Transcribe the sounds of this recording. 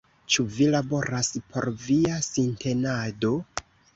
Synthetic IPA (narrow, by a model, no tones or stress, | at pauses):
t͡ʃuvilabo̞ɾaspʰo̞̰ɾviasintʰe̞nado̞